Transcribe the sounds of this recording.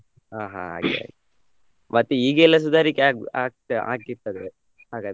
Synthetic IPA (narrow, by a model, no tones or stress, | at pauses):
aːɦa̰a̰ːɡḛa̰ːɡe | mɐt̪ːiiːɡeɛlːɐs̬ud̪ʱaːɾikeaːkaːk̚ʈa̰ːkiɾt̪ːɐd̪e | ɦaːɡaːd̪